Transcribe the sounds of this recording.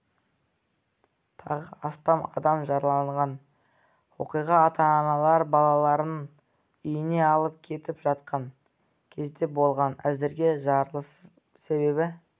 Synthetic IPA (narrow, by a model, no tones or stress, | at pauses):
t̪ʰɑ̰ʁəɑst̪ɑmɑd̪ɑmʒɑɾlˠɑɴʁɑn | wo̞̰qijʁɑːt̪ɑːnɑlˠɑɾbɑlˠɑlˠɑɾən | ʏjɪne̞ɑlˠəp̚kʲʰe̞t̪ɪpʒ̥ɑt̪̚qɑŋ | kʲʰe̞zd̪e̞bo̞lˠʁɑnæzd̪ɪɾɡʲe̞ʒɑɾlˠəs | se̞be̞bɪ